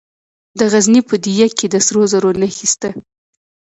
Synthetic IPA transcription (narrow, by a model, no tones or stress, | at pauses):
d̪əɣaznipəd̪ijaked̪əsɾozaɾonaxist̪a